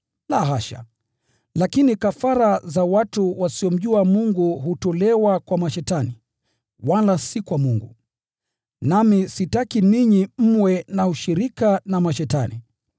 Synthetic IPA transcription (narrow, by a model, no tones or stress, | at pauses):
laɦaʃa̰ | lakinikafaɾazawatuwasiɔm̩ʄuamuŋɡuɦutɔlɛwakwamaʃɛtani | walasikwamuŋɡṵ | namisitakiniɲim̩mwɛnauʃiɾikanamaʃɛta̰nḭ